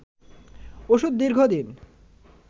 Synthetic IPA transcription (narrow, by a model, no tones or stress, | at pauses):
oʃud̪̚ːiɾɡʱod̪in